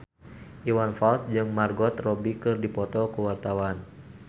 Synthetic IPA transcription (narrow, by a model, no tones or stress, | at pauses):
ʔiwanfalsd͡ʒɨŋmarɡɔt̪rɔbikɨrdipɔt̪ɔkuwart̪awan